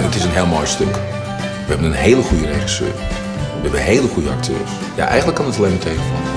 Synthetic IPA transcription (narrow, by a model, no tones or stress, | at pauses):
ətɪsənɦeːlˠmɔjstøk | ʋəɦɛbənənheːləχujəreχisø̰ːr | ʋəhɛbənɦejləχujəɑk̚tʰø̰ːrs | ja̰ʔɛ̰jəntləkːɑnətɑleːnmətʰeːvəfɔ̰n